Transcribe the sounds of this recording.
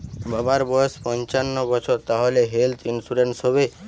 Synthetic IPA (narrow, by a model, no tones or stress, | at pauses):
babaɾbɔjɔspɔnt͡ʃanːɔɡɔt͡ʃʰɔɾt̪aɦoleɦelt̪ʰinsuɾensɔbe